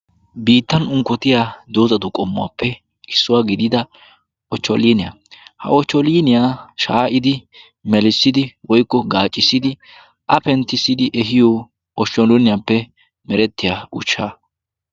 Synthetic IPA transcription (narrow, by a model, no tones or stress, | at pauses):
biːt̪ːɐnʊŋkːɔt̪ɪjaːd̪oːzɐd̪ʊkʼɔmːʊa̰ːpʰːɛ | ɪsːʊwaːɡɪd̪ɪd̪ɐ | ʔɔt͡ʃːɔliːnɪja̰ | hɐ̰ɔt͡ʃːɔliːnɪjaːʃaːʔɪd̪ɪ | mɛlɪsːɪd̪ɪwɔjkːɔɡaːt͡ʃʼːɪsːɪd̪ɪ | ʔɐpɛnt̪ːɪsːɪd̪ɪʔɛɦɪjo | ɔʃɔlʊnɪjapːɛ | mɛɾɛt̪ːɪjaːʊt͡ʃːaː